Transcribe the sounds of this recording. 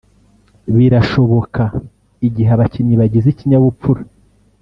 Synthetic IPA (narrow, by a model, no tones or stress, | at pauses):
βiɾaʃo̞βo̞ka | iɟiɦeβacimɲiβaɟiziciɲaβup͡fuɾa